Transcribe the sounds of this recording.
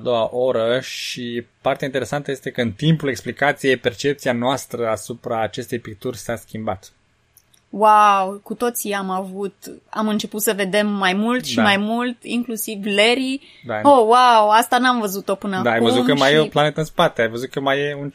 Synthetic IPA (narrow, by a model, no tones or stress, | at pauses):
ad̪o̞waʔo̞ɾəʃipart̪eaint̪eɾe̞sant̪əje̞st̪e̞kəɨnt̪impuleksplikat̪sijepert͡ʃe̞p̚t̪sianoast̪ɾəasupɾaːt͡ʃe̞st̪e̞jpik̚t̪urʲsaskʲimbat̪ | wawkut̪o̞t̪siamavut̪a̰mɨnt͡ʃe̞put̪səve̞d̪e̞mːajmult̪ʃiamajmult̪ḭŋklusivleɾi | d̪aowawast̪anamvəzut̪ːopɨnəad̪aajvəzutkəmajjeoplane̞t̪əɨnspat̪eajvəzut̪̚kəmajeun